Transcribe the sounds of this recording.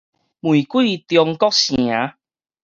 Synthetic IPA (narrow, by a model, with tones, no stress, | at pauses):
mwi˨˩kwi˥˦˨t̪jɔ˧ŋkɔ˦k̚ɕj̃a˨˦